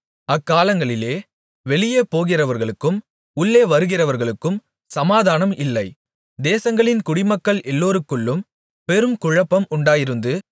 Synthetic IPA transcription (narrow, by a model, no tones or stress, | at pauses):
ɐkːaːlɐŋɡɐɭɪleː | ʋɛɭɪjeːpːoːɣɪrɐʋɐɾɣɐɭɯkːɯm | ʊɭːeːʋɐɾɯɣɪrɐʋɐɾɣɐɭɯkːɯm | sɐmaːðaːnɐmɪlːɐɪ | d̪eːsɐŋɡɐɭɪnkʊɽɪmɐkːɐɭʔɛlːoːɾɯkːɯɭːɯm | pɛɾɯmkʊɻɐpːɐmʊɳɖaːjɪɾɯnd̪ɯ